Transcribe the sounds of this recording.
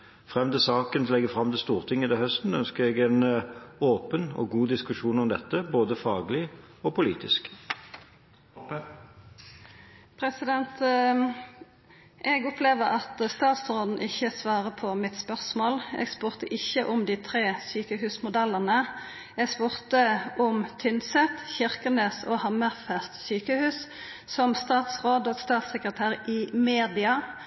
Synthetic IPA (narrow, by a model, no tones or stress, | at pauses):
fʁɛmd̪əsɑːkənlɛɡəfʁɑmt̪ɪlst̪uːʁt̪ʰɪŋːəd̪ɛhœst̪n̩œnskəɾɛɡɛnoːpənɔ̰ːɡuːd̪ɪskʉʂuːnɔmd̪ɛt̪ːəboːd̪əfɑːɡlɪ | ɔːpʰʊlḭːt̪ɪsk | pʰɾɛsɪd̪ɛnt̪ | ʔɛɡʊpleːʋəʁɑt̪st̪ɑːt̪sɾoːd̪n̩ʔɪçːəsʋɑːʁəpʰɔmɪt̪spœʁsmoːlɛ̰ːɡspʉːʁt̪əʔɪçəʔʊmd̪iːt̪ʰʁeːsyːkəhʉːsmʊd̪ɛlːəʁnə | ɛːɡspʉːʁt̪əʊmt̪ʰʏnsɛt̪çɪʁkəneːsoːhɑməʁfæst̪syːkəhʉːs | sɔmst̪ɑːt̪sʁoːd̪oːɡst̪ɑːt̪sɛkʁət̪ʰæːʁɪːmeːd̪ɪɑ